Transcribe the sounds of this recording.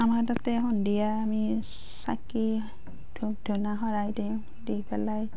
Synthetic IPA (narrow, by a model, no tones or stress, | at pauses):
amaɹdatɛɦɔndijaːmi | sa̰ki | d̥ʰʱuk̚dʱunaɦɔɹajdeʊ̃ | dibɛlaj